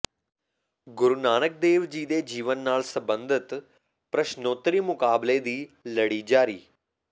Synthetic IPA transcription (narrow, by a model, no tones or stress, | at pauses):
ɡʊɾnaːnək̚d̪eːʋd͡ʒiːd̪eːd͡ʒiːʋənːaːlsəbə̃nd̪ɪt̪ | pɾəʃnoːt̪ɾiːmʊkaːbled̪iːləɽiːd͡ʒaːɾiː